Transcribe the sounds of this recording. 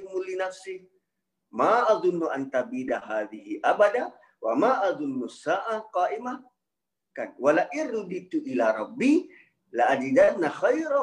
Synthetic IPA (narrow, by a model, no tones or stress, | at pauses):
mʊlːinafsi | maʔaðˤʊnːuʔant̪abiːd̪aɦaːðɪhiʔabad̪a | wamaʔaðˤʊnːusːaːʔaqɑːʔɪma | kanwalaʔɪrːʊd̪it̪ːuʔɪlaːɾˤɑbːi | laʔad̪id̪anaxajɾ